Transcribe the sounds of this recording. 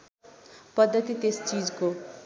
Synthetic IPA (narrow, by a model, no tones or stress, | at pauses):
pʌd̪ʱːʌt̪it̪est͡sid͡zko